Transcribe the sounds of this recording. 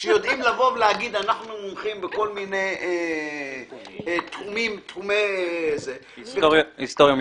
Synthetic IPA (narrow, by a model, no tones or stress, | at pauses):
ʃejo̞d̪ʔimlavo̞vleaɡid̪anaχnumomχimbeko̞lmineje | t̪umimt̪umeze | soist̪oʁjom